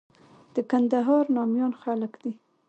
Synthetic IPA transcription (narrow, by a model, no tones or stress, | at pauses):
d̪̥əkand̪aɦɑɾnɑmjɑnxaləkd̪i